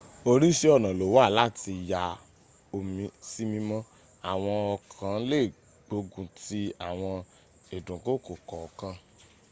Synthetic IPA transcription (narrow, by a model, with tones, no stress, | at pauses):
o˧ɾi˦ʃe˦ɔ˦˨nã˨lo˨wa˦˨la˦˨ti˧ja˧ | o˧mĩ˧si˦mĩ˧mɔ̃˦ | a˨w̃ɔ̃˧ɔ˧kʰã˨˦le˦˨ | ɡ͡bo˨˦ɡũ˧ti˦a˨w̃ɔ̃˧ | e˨dũ˨ko˦˨ko˨kɔ˨ɔ˨kã˧